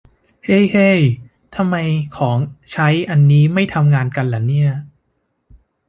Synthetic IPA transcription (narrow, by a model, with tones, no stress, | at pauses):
he˥˩jhe˥˩j | t̪ʰa˧mːa˧jkʰɔː˩˦ŋt͡ɕʰa˦˥jʔa˧nːiː˦˥ma˥˩jt̪ʰa˧mŋaː˧nka˧nlɛː˩˦ni˥˩ɐ